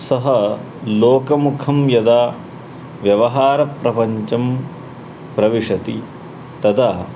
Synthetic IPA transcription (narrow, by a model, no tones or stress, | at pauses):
sɐɦɐ | loːkɐmukʰɐmjɐd̪aː | ʋjɐʋɐɦaːɾɐpɾɐpɐɲt͡ʃɐm | pɾɐʋiʂɐt̪i | t̪ɐd̪aː